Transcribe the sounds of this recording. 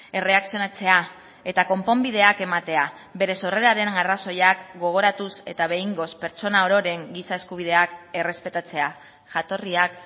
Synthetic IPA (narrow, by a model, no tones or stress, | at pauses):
e̞re̞aksionat͡se̞a | e̞t̪ako̞mpo̞mbið̞e̞ake̞mat̪e̞a | be̞ɾe̞so̞re̞ɾaɾe̞naraso̞jakɡo̞ɣ̞o̞ɾat̪use̞̰t̪aβ̞e̞iŋɡo̞spe̞ɾt͡so̞nao̞ɾo̞ɾe̞ŋɡisae̞skuβ̞ið̞e̞ake̞re̞spe̞t̪at͡se̞a | ʝat̪o̞riak